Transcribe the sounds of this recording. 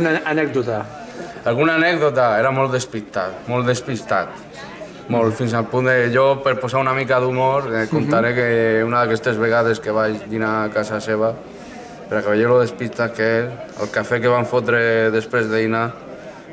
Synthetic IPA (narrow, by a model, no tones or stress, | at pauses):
naanɛk̚d̪ut̪a | alˠɣunaːnɛɡðot̪aeɾamolˠd̪espist̪at̪molˠd̪espist̪at̪ | molfinsalpund̪eʎopeɾposaunamikaðumoɾkont̪aɾekeunaðakɛst̪ezβeɣ̞að̞eskeβ̞aʃd̪inakasaseβa | peɾakaβeʎeloðespist̪akea̰lˠkafekeβaɱfot̪ɾeðespɾezðeina